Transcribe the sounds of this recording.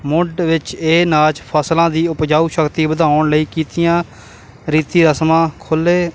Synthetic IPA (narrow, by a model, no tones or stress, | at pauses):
mʊɖʋɪt͡ʃeːnaːt͡ʃpʰəslãːd̪iːʊpd͡ʒaːuːʃəkt̪iːbəd̪ʱaːʊɳləiːkiːt̪ɪjãː | ɾiːt̪iːɾəsmãːkʰʊleː